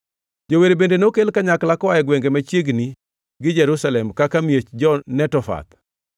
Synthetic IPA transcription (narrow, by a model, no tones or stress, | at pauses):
d͡ʒoweɾebendenokelkaɲaklakɔajɛɡweŋɡemat͡ʃjeɡni | ɡɪd͡ʒɛɾusalɛmkakamjet͡ʃd͡ʒɔnɛtɔfa̰t̪